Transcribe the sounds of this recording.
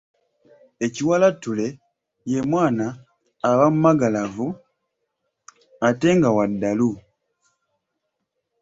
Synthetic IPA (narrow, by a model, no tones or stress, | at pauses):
eciwalatule̞ | je̞mwaːnaː | βamumaɡalavu | ate̞ŋɡawadːalu